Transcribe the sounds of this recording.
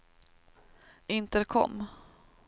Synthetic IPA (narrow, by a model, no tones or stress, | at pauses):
ɪnt̪əd̪ɛkʰɔ̰mː